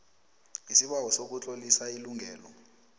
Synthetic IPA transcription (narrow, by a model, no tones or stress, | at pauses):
isiɓawɔsok̬ut͡ɬʼolisailuŋʱɛːlɔ